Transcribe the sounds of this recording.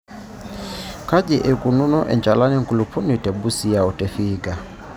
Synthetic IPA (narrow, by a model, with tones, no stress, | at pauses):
ka˦ɟɛ˨ʔɛ˨kʼu˨nu˦nɔ˦ʔɛ̰˨nd͡ʒa˨la˦nɛ˦ŋ̩˨ku˨lu˨pʰɔ˦ni˨tɛ˨bu˦si˨a˨ɔ˨tɛ˨fiːɡa˨